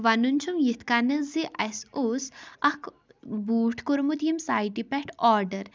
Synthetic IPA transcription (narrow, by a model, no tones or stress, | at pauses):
ʋanunʲt͡ʃʰumjit̪ʰkanɐziʔɐsoːsɐkʰ | buːʈʰkuɾmud̪jimsaːjʈipɛʈɔːɾɖɐɾ